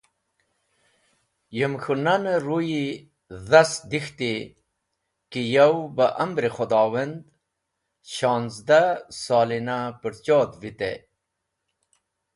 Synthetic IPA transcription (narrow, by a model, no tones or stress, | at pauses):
jəmxunanəɾuji | zasd̪ixt̪i | kijawbəʔambɾixod̪ɑːwɐnd̪ | ɕɑːnzd̪asɑːlinapəɽt͡ɕoːd̪vit̪ḛ